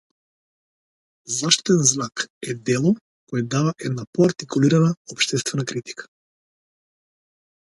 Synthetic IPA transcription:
zaʃt̪i̥t̪ɛnznakɛd̪ɛlˠɔ | kɔjɛd̪avaʔɛd̪napɔaɾt̪ikuliɾanaɔpʃt̪ɛst̪vɛnakɾit̪i̥kḁ

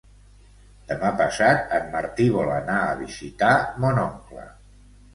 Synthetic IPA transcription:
d̪̥əmapəsat̪̚əmːəɾt̪iβɔlənaəβizit̪amonɔŋklə̰

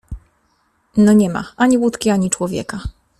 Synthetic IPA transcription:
nɔɲɛma̰ʔaɲiwut̪kʲiaɲit͡ʂwɔvʲjɛ̰ka

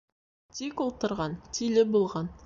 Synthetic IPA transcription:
t̪ʰikolˠt̪əɾʁɑnt̪ʰilʲebolˠʁɑn

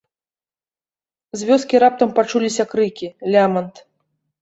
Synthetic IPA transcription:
zʲvʲɔskʲiɾap̚t̪ɐmpat͡ʂulʲisʲɐkɾɨkʲilʲamɐnt̪

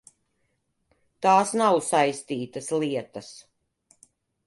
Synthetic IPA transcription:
t̪aːsnawsajst̪iːt̪ɐsliɛt̪ɐs

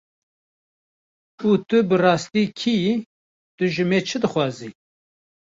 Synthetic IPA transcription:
uːt̪ɨbɨrɑːst̪iːkʰiː | t̪ɨʒɨmeːt͡ʃʰɨd̪ɨxʷɑːziː

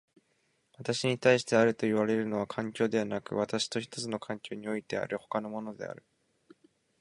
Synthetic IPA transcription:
βat̪aɕiɲ̟it̪aiɕi̥t̪e̞aɾɯ̟t̪o̞iβaɾe̞ɾɯ̟no̞β̞akʰãŋkʲo̞ːd̪e̞βanakɯ̟̰β̞at̪aɕi̥t̪o̞çi̥t̪o̞t͡sɨno̞kʰãŋkʲo̞ːɲ̟io̞it̪e̞a̰ɾɯ̟ho̞̥kano̞mo̞no̞d̪e̞̰a̰ɾɯ̟

